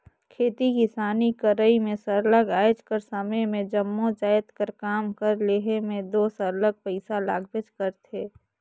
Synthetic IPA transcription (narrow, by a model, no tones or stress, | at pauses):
kʰeːt̪ikisaːnikəɾəimẽsəɾləɡaːjd͡ʒkəɾsəməjmẽd͡ʒəmːõd͡ʒaːjət̪kəɾkaːmkəɾleːɦemẽd̪oːsəɾləɡ̚pəɪsala̰ːɡbɪt͡ʃkəɾt̪ʰeː